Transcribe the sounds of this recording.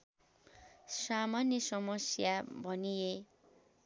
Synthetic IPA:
samanjʌsʌmʌsjabʱʌnije

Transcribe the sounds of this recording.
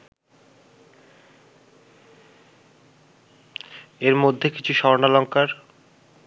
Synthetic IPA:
eɾmod̪ʱːeki̥t͡ɕʰuʃɔɾnalɔŋkaɾ

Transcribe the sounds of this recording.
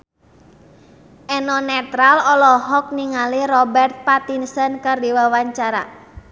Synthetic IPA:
ʔɛnɔnɛt̪ɾalɔlɔɦɔk̚niŋaliɾɔbɛrt̪̚pat̪insənkardiwawaɲt͡ʃaɾa̰

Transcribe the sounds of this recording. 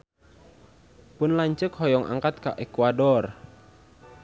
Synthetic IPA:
pʊnlaɲt͡ʃəkɦɔjɔŋʔa̰ŋkat̪̚ka̰ʔekwadɔr

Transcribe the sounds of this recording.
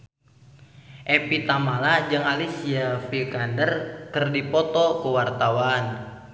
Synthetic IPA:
ʔepit̪amalad͡ʒəŋalisiafikandərkərdipɔt̪ɔkəwart̪awan

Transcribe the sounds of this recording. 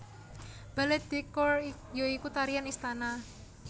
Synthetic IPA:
b̥alɛt̪̚d̪̥ekɔrjoikut̪aɾijanist̪ana

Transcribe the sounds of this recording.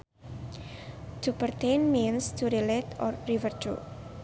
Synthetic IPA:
tʰupərt̪enminst̪ʰuɾilet̪ɔrːivərt͡ʃṵ

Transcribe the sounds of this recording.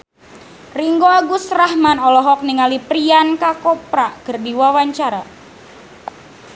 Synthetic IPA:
riŋɡoaɡusrahmanɔlɔɦɔk̚niŋalipɾiankakɔpɾakərdiwawaɲt͡ʃaɾa

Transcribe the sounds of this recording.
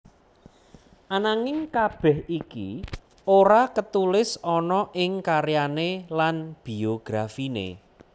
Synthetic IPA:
ʔanaŋɪŋkab̥ɛhikḭ | oɾakət̪ulɪsɔnɔʔɪŋkaɾjanelanb̥ioɡ̥ɾafinḛ

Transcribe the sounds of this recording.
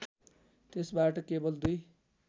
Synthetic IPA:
t̪esbaʈʌkebʌld̪uj

